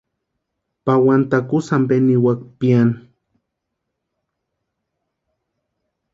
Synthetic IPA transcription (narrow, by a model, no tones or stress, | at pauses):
pawant̪akusambeniwak̚pian